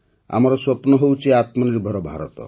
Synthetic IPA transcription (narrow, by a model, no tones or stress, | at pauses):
a̰mɔɾɔswɔpnɔɦewt͡ʃʰeat̪mɔniɾbʱɔɾɔbʱaɾɔt̪ɔ̰